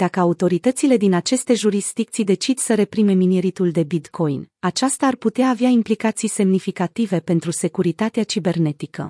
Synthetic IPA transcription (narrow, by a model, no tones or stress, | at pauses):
d̪̥akəaut̪o̞ɾit̪ət̪sile̞d̪inat͡ʃe̞st̪e̞ʒuɾisd̪ik̚t̪sijd̪e̞t͡ʃid̪səɾe̞pɾime̞mineɾit̪uld̪e̞bit̪kʰo̞jnat͡ʃast̪aːrput̪eaːveaimplikat̪sijse̞mnifikat̪ive̞pe̞nt̪ɾuse̞kuɾit̪at̪eat͡ʃibe̞rne̞t̪ikə̰